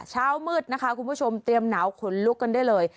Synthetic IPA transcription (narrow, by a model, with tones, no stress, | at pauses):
t͡ɕʰaː˥˩wmɯː˥˩t̪̚na˦˥kʰa˦˥ʔkʰu˧npʰu˥˩t͡ɕʰo˧mt̪ɾi˧əmnaː˩˦wkʰo˨˩˦nlu˦˥kːa˧ndaː˥˩jlɤː˧j